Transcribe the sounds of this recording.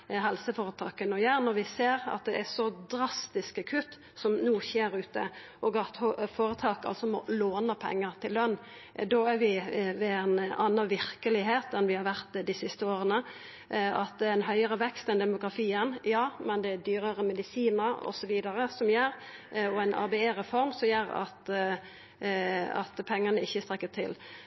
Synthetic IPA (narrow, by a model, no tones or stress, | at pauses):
ɦɛlsəfoːɾət̪ʰɑːkənɔjæːɾnɔɾʋɪseːɾɑ̰t̪̚d̪ɛʔæsɔd̪ɾɑst̪ɪskɑkʰʉt̪ː | sɔmnuːçeːɾʉːt̪ə̰ʔɔɡɑt̪hfoːɾət̪ʰɑːkɑ̰lsɔmɔ̰loːnəpʰɛ̰ŋːəɾt̪ʰɪlːœnː | d̪ɔæɾʋɪʋɛænɑnːɑnʋɪɾkəlɪɦeːt̪ɛnʋɪhɑɾʋæɾt̪d̪ɪsɪst̪əoːɾənə | ɑt̪̚d̪ɛɛnɦœʏəɾəʋɛkst̪ɛnd̪ɛmʊɡɾʁɑt̪iːənjɑːmɛnd̪ɛd̪yːɾəɾəmɛd̪ɪsiːnəɾɔ̰sɔʋiːd̪ɑɾəsɔmjeːɾɔɛɪnʔɑ̰ɾbɛeːɾɛfɔɾmsɔmjeːɾɑ̰t̪ | ɑ̰t̪pʰɛŋːənəɪçːəst̪ɾʁɛkːət̪ʰɪ̰l